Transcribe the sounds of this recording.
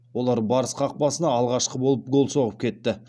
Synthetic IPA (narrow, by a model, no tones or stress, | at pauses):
wo̞lˠɑɾbɑɾəsqʰɑq̚pɑsənɑːlˠʁɑʃqəbo̞lˠəp̚ɡo̞lˠso̞ʁəp̚kʲe̞t̪ːɪ